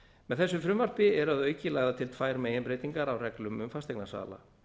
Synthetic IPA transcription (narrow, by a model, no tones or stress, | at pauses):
mɛðθɛsːʏfɾʏmvar̥pɪɛɾaðœɥcɪlaːɣðat̪ʰɪlt̪ʰfaːjɾmejɛnpɾejt̪iŋkaɾawrɛklʏmʏmfast̪eknasa̰ːla̰